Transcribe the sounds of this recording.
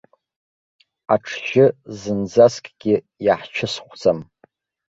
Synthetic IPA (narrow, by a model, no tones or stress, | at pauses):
aʈ͡ʂʰʒɪzɨnd͡zaskʼɡʲɪ | jaħt͡ʃʰɪsχʷʰd͡zʼam